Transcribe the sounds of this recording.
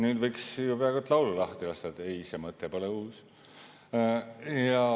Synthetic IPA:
nyːd̪vɤjksjupeɑɡut̪ːˑlɑwlulɑht̪ilɑst̪ɑt̪ːejsemɤt̪ːˑepo̞leuːs | jɑ

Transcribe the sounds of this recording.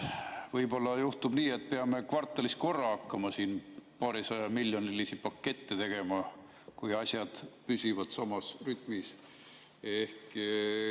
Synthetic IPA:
vɤjb̥o̞lːɑjuht̪ubniːe̞t̪̚ːˑpeɑme̞kvɑrt̪ːˑɑlist̪̚ko̞rːɑɑkːɑmɑsiːnpɑːɾisɑjɑmilʲjonilisipɑkːe̞t̪ːet̪e̞ɡ̥e̞mɑ | kujɑsʲjɑd̪̥pysivɑd̪̥sɑmɑsryt̪ˑmis | ehk

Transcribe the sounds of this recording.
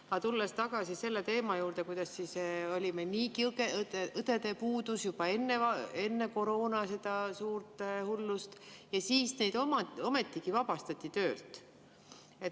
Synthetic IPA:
ɑt̪ulːest̪ɑɡ̥ɑsise̞lːe̞t̪e̞ːmɑjuːɾd̪̥e̞kujd̪̥ɑsːiso̞lʲimeniːkikeɯt̪e̞d̪e̞puːd̪̥usjub̥ɑe̞nːe̞ɑe̞nːe̞ko̞ɾo̞ːnɑse̞d̪̥ɑsuːrt̪hulːust̪jɑsiːsne̞jd̪̥o̞mɑo̞me̞t̪ːˑiɡ̥ivɑb̥ɑst̪ɑt̪ʲːˑit̪ø̞ːlt̪ | e̞t̪

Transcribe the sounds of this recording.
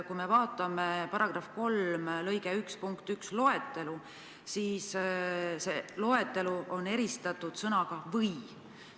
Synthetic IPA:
kujme̞vɑːt̪ːˑɑme̞pɑɾɑɡ̥rɑfko̞lmlɤjɡeykspuŋkt̪ykslo̞et̪ːˑe̞lu | siːs | selo̞e̞t̪ːˑe̞luʔo̞ne̞ɾist̪ɑt̪ːˑud̪̥sɤnɑɡ̥ɑvɤj

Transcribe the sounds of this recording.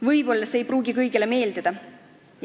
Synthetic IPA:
vɤjbo̞lːɑseejpruːɡikɤjɡ̥ele̞me̞ːld̪id̪̥ɑ | j

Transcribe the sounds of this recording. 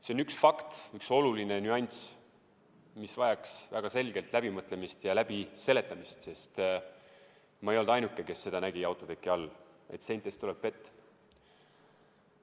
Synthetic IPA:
seo̞nyksfɑkt̪ykso̞luline̞nyɑnʲt̪s | misvɑjɑksvæɡ̥ɑse̞lɡe̞lt̪læb̥imɤt̪ːˑle̞mist̪jɑlæb̥ise̞le̞t̪ˑːɑmist̪se̞st̪ | mɑejo̞ld̪ɑjnukːˑe̞ke̞sːe̞d̪̥ɑnæɡ̥iɑwt̪ˑo̞d̪e̞kːiɑlː | ḛt̪se̞nt̪ːˑest̪uleb̥̚pe̞t̪ːˑ

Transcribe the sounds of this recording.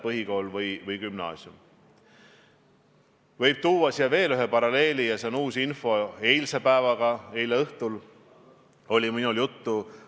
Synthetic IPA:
pɤɦiko̞ːlvɤjvɯjkymnɑ̰ːsʲjum | vɤjb̥̚t̪uːwɑsijɑve̞ːlyɦepɑɾɑle̞ːlijɑse̞onuːsinfo̞e̞jlsepæːvɑɡ̥ɑejleɤht̪ul | o̞lʲiminuljut̪ːu

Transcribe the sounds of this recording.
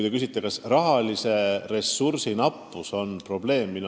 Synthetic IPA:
jt̪ekysit̪ːˑekɑsrɑɦɑlise̞re̞sːursinɑpːuso̞npro̞b̥le̞ːmːin

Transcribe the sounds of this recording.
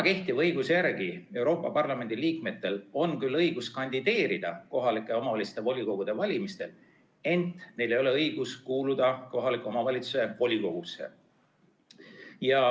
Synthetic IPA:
ɑke̞ht̪ivɤjɡusejæɾɡ̥ie̞wɾo̞ːpːˑɑpɑrlɑme̞nd̪̥iliːkme̞t̪ːe̞lo̞nkylːɤjɡ̥uskɑnʲd̪̥id̪e̞ːɾid̪̥ɑko̞ɦɑlikˑːeo̞mɑvɑlʲit̪st̪evo̞lʲiko̞ɡ̥ud̪̥e̞vɑlʲimist̪e̞l | e̞nt̪ˑne̞jle̞jo̞le̞ɤjɡ̥uskuːlud̪ɑko̞ɦɑlikːˑeo̞mɑvɑlʲit̪suse̞vo̞lʲiko̞ɡ̥usːe̞̰ | jɑ

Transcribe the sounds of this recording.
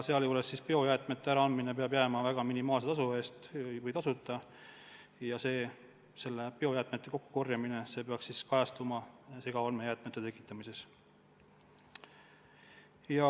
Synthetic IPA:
seɑljuːlesːispeo̞jæːt̪ˑme̞t̪ːˑeæɾɑɑnmine̞peɑb̥jæmɑvæɡ̥ɑminimɑːlset̪ɑsue̞ːst̪jvɯjt̪ɑsut̪ˑːɑ | jɑse̞ː | se̞lːe̞peo̞jæːt̪ˑmet̪ːe̞ko̞kːu̥ko̞rjɑmine̞se̞ːpeɑksiskɑjɑst̪umɑseɡ̥ɑɑlmejæːt̪ˑmet̪ːt̪e̞kːˑi̥t̪ːˑɑmise̞s | jɑ

